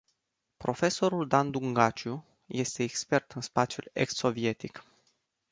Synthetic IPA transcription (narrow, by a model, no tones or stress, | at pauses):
pɾo̞fe̞so̞ɾuld̪and̪uŋɡat͡ʃu | jʔe̞st̪e̞ːkspe̞rt̪ɨnspat̪sjulḛkso̞vie̞t̪ik